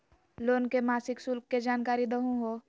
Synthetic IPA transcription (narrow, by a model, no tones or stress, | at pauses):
loːnkemaːsɪksʊlkːed͡ʒaːnkaːɾid̪əɦũɦoː